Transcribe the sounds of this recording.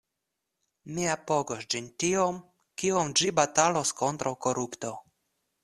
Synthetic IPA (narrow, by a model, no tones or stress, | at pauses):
miapo̞ɡosd͡ʒintiom | kiomd͡ʒibataloskont̪ɾawko̞ɾupto̞